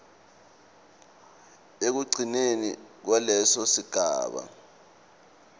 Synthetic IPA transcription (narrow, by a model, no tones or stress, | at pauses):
ek̬uɡ͡ǀʱinenḭk̬walɛsɔsiɡ̥ʱa̰ːɓa̰